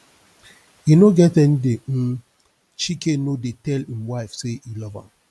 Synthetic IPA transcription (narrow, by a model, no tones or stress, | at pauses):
inoɡɛtɛ̃n̩de | t͡ʃikenodetɛlĩmwaɪfseilɔvã̰m